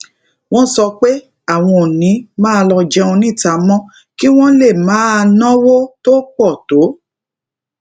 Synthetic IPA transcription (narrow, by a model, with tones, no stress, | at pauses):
w̃ɔ̃˦sɔ˧k͡pe˦ | a˦˨w̃ɔ̃˧˨nĩ˨˦mãː˦˧lɔ˧d͡ʒɛ˦˧ɔ̃˧nĩ˦˨ta˨mɔ̃˦ | ki˦w̃ɔ̃˦le˦˨mãː˨˦˧nãɔ̃˦wo˦to˦k͡pɔ˦˨to˨˦